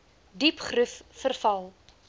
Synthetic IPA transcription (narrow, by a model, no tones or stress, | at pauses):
dipχruffərfɐlˠ